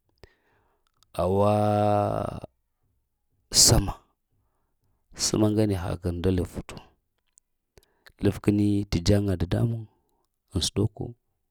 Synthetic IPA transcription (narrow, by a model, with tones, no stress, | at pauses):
a˨wa˦ | sa˦ma˨ | sə̰˦ma˦ŋɡa˦ni˨ɦa̰˨kə˨nda˦lə˨vvu˨tu̥˨ | lə˦˨fkə˦ni˦ti˨d͡ʒa˦ŋa˨da˨da̰˦mu˦ŋ | ə˨su̥˨do˦ko̰˦